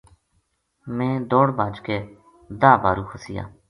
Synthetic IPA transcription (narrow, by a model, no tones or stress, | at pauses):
mẽːd̪oːɽbaːd͡ʒkeː | d̪aːbaːɾuːxʰəsɪja̰ː